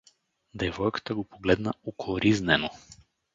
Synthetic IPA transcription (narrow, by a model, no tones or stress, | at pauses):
d̪ɛvɔjkə̥t̪aɡopoɡlɛd̪naukɾʔiznɛno